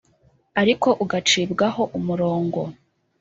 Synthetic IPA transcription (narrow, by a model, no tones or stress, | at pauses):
aɾiko̞ʔuɡat͡ʃiːbɡaɦo̞ʔumuɾo̞ːŋɡo̞